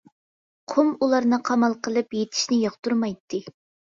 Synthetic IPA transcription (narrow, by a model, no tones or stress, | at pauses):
qʰomulˠɑɾnɨqʰɑmɑlˠqʰəlˠɨpjet̪ʰɪ̥ʃnɪjɑχt̪uɾmɑjt̪ʰːɨ